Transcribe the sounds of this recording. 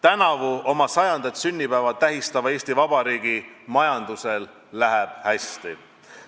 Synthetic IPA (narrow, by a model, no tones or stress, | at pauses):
t̪ænɑvuo̞mɑsɑjɑnd̪̥ɑt̪synʲːipæevɑt̪æɦist̪ɑvɑe̞ːsʲt̪ivɑb̥ɑɾiːɡ̥i | mɑjɑnd̪̥use̞lː | æɦeb̥hæst̪i